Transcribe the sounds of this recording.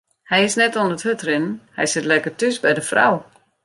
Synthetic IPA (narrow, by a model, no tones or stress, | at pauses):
hɛjɪsnɛtɔnəthøtrɪnən̩hɛ̰jsɪtlɛkərtysbɛjdəfra̰w